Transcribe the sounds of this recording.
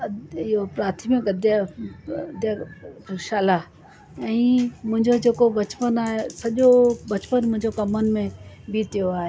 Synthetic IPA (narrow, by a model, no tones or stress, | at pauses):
ɪjopɾaːɾt̪ʰimikɡəd̪ja | d̪jaʃaːla | ɛ̃ːmʊ̃ɦɪ̃ɲd͡ʑod͡ʑeːkobɐt͡ʃpənaːɦesɐʄobɐt͡ʃpənmʊ̃ɦɪ̃ɲd͡ʑokɐmənmẽ | bit̪ɪjoaːɦe